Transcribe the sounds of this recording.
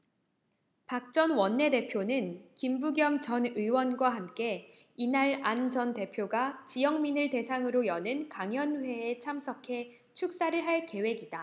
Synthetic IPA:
pak̚t͡ɕ͈ʌnwʌnːe̞de̞pʰjonɯnkimbuɡjʌmt͡ɕʌnɯwʌnɡwaɦamk͈e̞ | inaɭand͡ʑʌnte̞pʰjoɡat͡ɕijʌŋminɯɭte̞sʰaŋɯɾojʌnɯnkaŋjʌnɸwe̞ːt͡ɕʰamsʰʌkʰe̞ | t͡ɕʰuk̚s͈aɾɯɭɦaɭke̞we̞ɡida

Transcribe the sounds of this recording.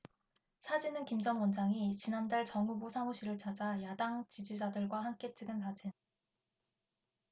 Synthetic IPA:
sʰad͡ʑinɯnkimd͡ʑʌŋwʌnd͡ʑaŋit͡ɕinandaɭt͡ɕʌŋubosʰaŋuɕʰiɾɯɭt͡ɕad͡ʑajadaŋt͡ɕid͡ʑid͡ʑadɯɭɡwahamk͈e̞t͡ɕ͈ɯɡɯnkad͡ʑin

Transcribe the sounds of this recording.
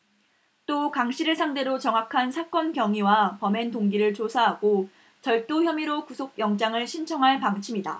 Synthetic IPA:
t͈okaŋɕʰiɾɯɭsʰaŋde̞ɾot͡ɕʌŋɦakʰansʰak͈ʌnkjʌŋiwapʌme̞ntoŋɡiɾɯɭt͡ɕosʰaɦaɡ̥o | t͡ɕʌɭt͈oçjʌmiɾokusʰok̚jʌŋd͡ʑaŋɯɭɕʰint͡ɕʰʌŋɦaɭpaŋt͡ɕʰimida̰

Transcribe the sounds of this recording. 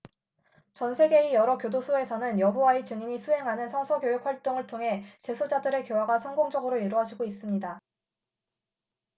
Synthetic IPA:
t͡ɕʌnsʰe̞ɡe̞ijʌɾʌkjodosʰoe̞sʰʌnɯnjʌbowait͡ɕɯŋiɲisʰuɦe̞ŋɦanɯnsʰʌŋsʰʌkjojok̚ʰɸwaɭt͈oŋɯɭtʰoŋɦe̞t͡ɕe̞sʰod͡ʑadɯɾe̞kjowaɡasʰʌŋɡoŋd͡ʑʌɡɯɾoiɾoɦad͡ʑiɡois͈ɯmɲida

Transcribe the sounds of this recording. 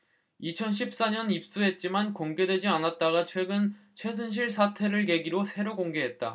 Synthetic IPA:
it͡ɕʰʌnɕʰip̚s͈aɲʌnip̚s͈uɦe̞t̚t͡ɕ͈imankoŋɡe̞dwe̞d͡ʑianat̚t͈aɡat͡ɕʰwe̞ɡɯn | t͡ɕʰwe̞s̬ʰɯnɕ̬ʰiɭsʰatʰe̞ɾɯɭke̞ɡiɾosʰe̞ɾoɡoŋɡe̞ɦe̞t̚t͈a̰

